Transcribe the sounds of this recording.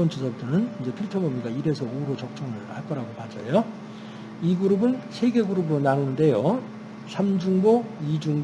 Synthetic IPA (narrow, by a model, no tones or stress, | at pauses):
ʌnt͡ɕʰisʰʌp̚t͈ɯnɯnind͡ʑe̞pʰiɭtʰʌbʌmiɡaiɾe̞sʰʌoɾot͡ɕʌk̚t͡ɕ͈ʌŋɯɭhaɭk͈ʌɾaɡopad͡ʑʌ̰jo | iɡuɾubɯnsʰe̞ɡe̞ɡuɾubɾonanunɯnde̞jo | sʰamd͡ʑuŋboid͡ʑuŋ